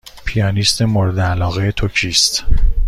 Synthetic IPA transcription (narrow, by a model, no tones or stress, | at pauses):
pʰijɒːnist̪ʰemoɾed̪eælɒːɣejet̪ʰocʰiːst̪